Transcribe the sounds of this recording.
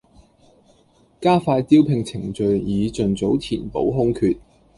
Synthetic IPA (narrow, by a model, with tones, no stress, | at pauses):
kaː˥faː˧tt̪iː˥wpʰɪ˨ŋt͡sʰɪ˨˩ŋt͡ʃɵ˨ɥjiː˨˧t͡ʃɵ˨nt͡so˨˥wtʰiː˨˩npo˨˥wɦʊ˥ŋkʰyː˧t̚